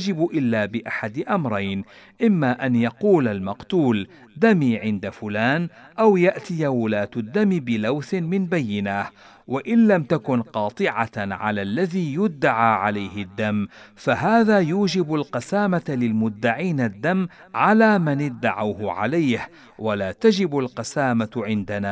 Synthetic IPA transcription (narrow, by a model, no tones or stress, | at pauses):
d͡ʒɪbʔɪlːaːbɪʔaħad̪ɪʔamɾˤɑjn | ʔɪmːaːʔanjɑquːlalmɑqt̪uːl | d̪amiːʕɪnd̪afʊlaːnʔawjaʔt̪ɪjawʊlaːt̪ʊd̪ːamɪbɪlawθɪmɪnbajːɪna | waʔɪnlamt̪akʊnqɑːt̪ˤɨʕaʕa̰laːlːaðiːjʊd̪ːaʕaːʕalajhɪd̪ːamːfaɦaːðaːjuːd͡ʒɪbalqɑsaːmalɪlmʊd̪ːaʕiːnad̪ːam | ʕalaːmanɪd̪ːaʕawhʕa̰lajh | walaːt̪ad͡ʒɪbalqɑsaːmaʕɪnd̪anaː